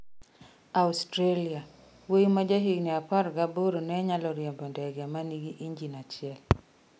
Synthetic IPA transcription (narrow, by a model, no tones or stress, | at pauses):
austɾelia | wemad͡ʒaɦiɡniapaɾɡaboɾonɛɲalɔɾjɛmbɔndɛɡɛmaniɡiʔiɲd͡ʒinat͡ʃɪɛl